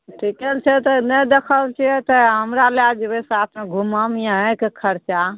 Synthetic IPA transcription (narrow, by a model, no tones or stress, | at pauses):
ʈʰikɛlt͡ʃʰɛt̪ɔnəd̪ekʰəlt͡ʃʰiɛt̪ɔɦəmɾalead͡ʒebesat̪ʰmeɡʱuməmijãɦɛ̃kekʰəɾt͡ʃa